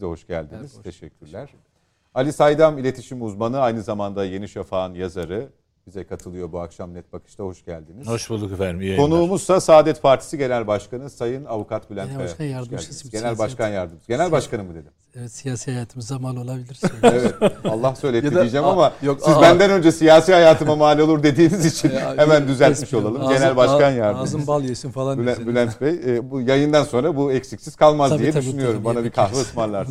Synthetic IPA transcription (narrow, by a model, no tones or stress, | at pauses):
izɛɦo̞ʃɟ̥æ̰lʲd̪iniz̥t̪ʰeʃɛcʲʰːyɾlʲæɾ̥ | alʲisajd̪amilʲe̞t̪ʰiʃimuzmanɯajnɯzamand̪aje̞niʃafaːnjazaɾɯ | b̥izɛkʰat̪ʰɯlˠɯjo̞buakʃamnɛt̪̚bakʰɯ̥ʃt̪ʰaho̞ʃɟ̥ælʲd̪inizoʃbulˠːukefæɾmkʰo̞nuːmuz̥sasaːd̪ɛt̪pʰaɾt̪ʰi̥siɟe̞nʲælʲbaʃkanɯsajɯnavukat̪̚bilʲænjæld̪izɟe̞nælʲbaʃkʰanjaɾd̪ɯmɯzɟe̞nælʲbaʃkanɯmɯd̪e̞d̪im | ɛvɛt̪sijaːsihajaːt̪ʰɯmizamalolˠabilʲiɾsevɛt̪alˠːahsø̞jlʲet̪id͡ʒɛmamajsizbænd̪ænø̞nd͡ʒɛsijaːsiːhajaːt̪ʰɯmamaːlʲio̞lˠuɾd̪e̞d̪iːnizit͡ʃʰinhemænd̪yzælʲt̪miʃo̞lˠalˠɯmɟe̞nælʲbaʃkanjaɾd̪ɯzɯnbalˠjesinfalˠabbylʲænt̪vejbujajɯnd̪anso̞nɾabuɛcʲsikcsiz̥kʰalˠmazijɛd̪yʃynyjo̞ɾumbanabikʰahvɯɯsmanlˠaɾ